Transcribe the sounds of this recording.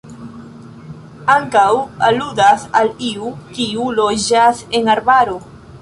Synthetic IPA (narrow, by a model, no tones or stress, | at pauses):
aŋkawaludasaliukiulo̞d͡ʒaseŋaɾbaɾo̞